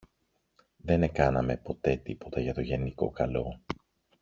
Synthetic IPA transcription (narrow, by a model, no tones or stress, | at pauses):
ðe̞ne̞kɐnɐme̞po̞t̪e̞t̪ipo̞t̪ɐʝɐt̪o̞ʝe̞niko̞̰kɐlo̞